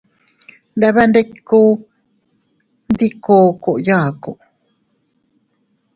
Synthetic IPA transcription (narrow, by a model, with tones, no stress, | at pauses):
ndaβa˦nde˦kːu˦ | nd̪ikoː˨ko˨ʔjaː˨ko˨ʔ